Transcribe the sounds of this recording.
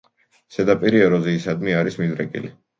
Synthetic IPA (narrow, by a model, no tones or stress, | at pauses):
sɛd̪apʼiɾiɛɾɔziːsad̪miaɾismid̪ɾɛkʼḭli